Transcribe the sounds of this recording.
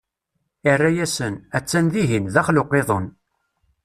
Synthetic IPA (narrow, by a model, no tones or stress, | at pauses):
ɪrːæjæsənæt͡sːænðiɦinðæχlʊqeðˤən